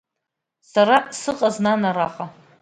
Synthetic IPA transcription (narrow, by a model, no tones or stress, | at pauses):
saɾasɨqʼaznanaɾaqʼa